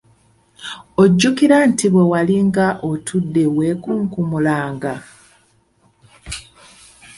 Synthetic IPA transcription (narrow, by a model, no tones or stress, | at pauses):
oɟːukiɾantʰiβwe̞waliŋɡaʔotʰudːe̞we̞ːkuːŋkumulaːŋɡa